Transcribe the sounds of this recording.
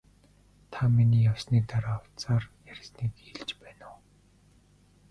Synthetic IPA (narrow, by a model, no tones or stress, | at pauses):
t̪ʰaminiːjawsniːt̪aɾaːw̥t͡saːrjæɾʲsniːkiɮt͡ɕpæːnʊː